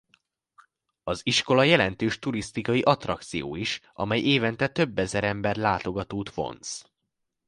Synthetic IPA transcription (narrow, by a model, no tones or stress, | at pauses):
ɒziʃko̞lɒjɛlɛnt̪øːʃt̪uɾist̪ikɒjiʔɒt̪rɒk̚t̪sijo̰ːiʃʔɒ̰mɛjʔeːvɛnt̪ɛt̪ø̞bːɛzɛɾɛmbɛrlaːt̪o̞ɡɒt̪oːt̪fo̞̰ns